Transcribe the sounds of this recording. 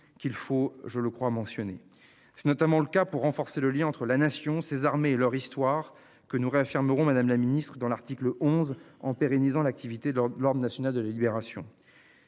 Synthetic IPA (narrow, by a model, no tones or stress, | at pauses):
kʲilfoʒələkχwamɑ̃sjɔne | sɛ̥nɔt̪amɑ̃ləkapuʁːɑ̃fɔʁseləljɛ̃ɑ̃t̪χəlanasjɔ̃sezaʁmeːlœʁist̪waʁ | kənuʁeafiʁməʁɔ̃mad̪amlaminist̪χəd̪ɑ̃laʁt̪ikləʔɔ̃zɑ̃peʁenizɑ̃lak̚t̪ʰivit̪elɔʁd̪ʁənasjɔnald̪əlalibeʁasjɔ̰̃